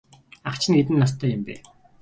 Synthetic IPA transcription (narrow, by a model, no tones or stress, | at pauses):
aχt͡ɕʰɪ̆nɡet̪ɘ̆nːas̬t̪ʰːœːjɪmpæ̰ː